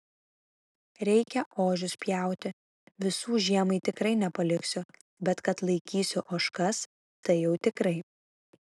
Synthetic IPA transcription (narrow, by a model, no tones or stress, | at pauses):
ɾʲɛɪkʲɛʔoːʒʲʊspʲjæˑʊt̪ʲɪ | ʋʲɪsuːʒʲiɛmɐɪt̪ʲɪkɾɐɪnʲɛpɐlʲɪksʲʊ | bʲɛt̪kɐt̪lˠɐɪkʲiːsʲʊʔoʃkɐs | t̪ɐɪjɛʊt̪ʲɪkɾɐɪ